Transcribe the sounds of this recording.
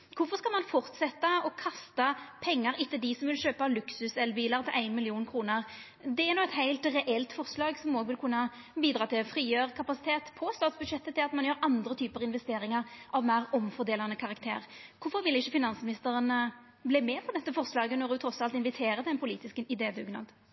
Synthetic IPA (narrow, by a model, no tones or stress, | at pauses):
kʰʊfɔʁskɑlmɑnfɔʁt̪sɛt̪ːɑɔkʰɑst̪ɑpʰɛŋːəɾɪt̪ːəd̪ɪsɔmʋɪlʃøːpɑlʉksʉsɛlbiːlɑʁt̪ʰɪlʔæɪnmɪlɪuːnkʰɾuːnəʁ | d̪ɛæɾnuːɛt̪hæɪlt̪ɾɛʔɛlt̪fɔʁslɑːɡsɔmoːɡʋɪlkʰʉnːə | biːd̪ɾɑːt̪ɪlfɾiːjøːʁəkʰɑpɑsɪt̪ʰeːt̪pʰɔst̪ɑːt̪sbʉd̪ʂɛt̪ːət̪ɪlɑt̪mɑnjøːɾɑnd̪ʁət̪ʰyːpəʁɪnʋɛst̪eːɾɪŋɑʁʔɑʋmæɪʁɔmfɔd̪eːlɑnəkʰɑʁɑkt̪ʰḛːʁkʰʊfɔʁʋɪlɪʃːəfɪnɑnsəmɪnɪst̪əɾən | bliːmɛpʰɔd̪ɛt̪ːəfɔʁslɑːɡənɔɾd̪ʊːt̪ʰɾɔsːɑlt̪ɪnʋɪt̪ʰeːɾət̪ɛnpʰʊliːt̪ɪskəɪd̪eːd̪ʉːɡnɑ̰d̪